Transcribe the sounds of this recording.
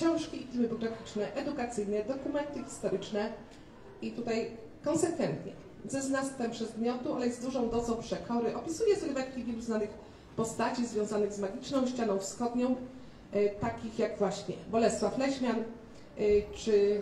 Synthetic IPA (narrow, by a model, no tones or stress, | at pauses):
kɕɔ̃w̃ʂkʲiifʲilmɘbɔɡɾafʲit͡ʂnɛʔɛd̪ukat̪sɘjnɛd̪ɔkumɛnt̪ɘxʲi̥st̪ɔɾɘt͡ʂnɛ | it̪ut̪aj | kɔnsɛkfɛnt̪ɲɛ̰ | zɛznast̪fɛmpʂɛzmʲjɔt̪ualɛjɛzd̪uʐɔ̃w̃d̪ɔd̪zɔ̃w̃pʂɛkʰɔɾɘʔɔpʲisujɛsɔlvɛŋkʲivʲɛluznanɘx | pɔst̪at͡ɕizvʲjɔ̃w̃zanɘɣzmaɡʲit͡ʂnɔ̃w̃ɕt͡ɕanɔ̃w̃fsxɔd̪ɲɔ̃w̃ | t̪akʲixjaɡvwaɕɲɛbɔlɛst̪faflɛɕmʲjan | t͡ʂɘ